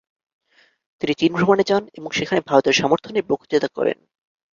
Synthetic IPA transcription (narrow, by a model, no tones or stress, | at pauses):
t̪init͡ɕinbʱɾomaned͡ʑaneboŋʃekʰanebʱaɾot̪eɾʃɔmoɾt̪ʰonebokʰd͡ʑet̪akɔ̰ɾḛn